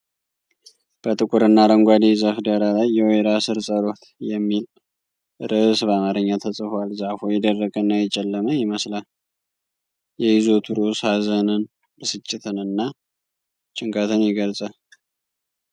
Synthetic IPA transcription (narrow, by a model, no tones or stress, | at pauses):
b̥ət̪ʼɨkʼʊɾɨnːaɾəŋɡʷad̪izafd̪əɾalajːɛwojɾasɨɾsʼəɾo̞t̪jɛmːil | ʔɨɾʔɨsβamaɾəɲːat̪ʰəsʼɨfalzafojɛd̪ərːəkʼənːajɛt͡ʃʼːɛlːəməjɪməslal | jɛjɪzo̞t̪ʰuɾoshazənɨn | ɨsɨt͡ʃʼːɪt̪ʰɨnɨnːa | t͡ʃʼɪŋkʰʼat̪ʰɨnjɛɡəlsʼə